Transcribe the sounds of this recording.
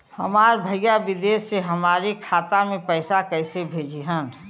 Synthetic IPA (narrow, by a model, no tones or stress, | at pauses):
həmaːɾbʱəɪjabɪd̪eːsːeɦəmaːɾikʰaːt̪amẽpəɪsakəɪsebʱeːd͡ʒiɦən